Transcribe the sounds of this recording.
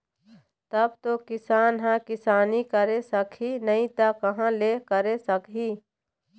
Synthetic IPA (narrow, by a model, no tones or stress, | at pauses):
t̪ɐbt̪okɪsaːnɦãkɪsaːnikəɾesəkʰinɐĩt̪akɐɦãleːkəɾesəkɦiː